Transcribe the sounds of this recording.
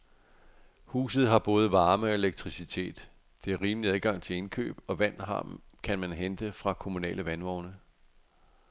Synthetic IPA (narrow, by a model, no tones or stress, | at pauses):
hṵːs̬ð̞̩ˠɦɑ̈b̥ɔ̽ːð̞̩ˠʋɑ̈ːməe̝leɡ̥̚t͡sʰʁisit͡sʰe̝̰ːd̥ | d̥e̝æɐʁiːmliæðˠɡ̥ɑ̈ŋ̰t͡sʰe̝le̝nkʰø̰ːb̥ɒ̽ʋæn̰ɦɑ̰kʰænmænɦend̥əfʁɑ̈kʰo̝munɛ̰ːləʋænʋɒʊnə